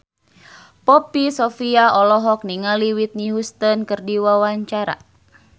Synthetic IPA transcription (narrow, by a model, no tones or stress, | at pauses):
pɔpisɔfiaɔlɔɦɔk̚niŋaliwit̪̚niɦust̪ənkɨrdiwawaɲt͡ʃaɾa̰